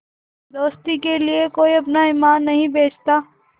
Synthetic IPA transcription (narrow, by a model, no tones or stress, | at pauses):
d̪oːst̪ikeliekoːiɐpnaɪmaːnːɐɦĩbeːt͡ʃʰt̪aː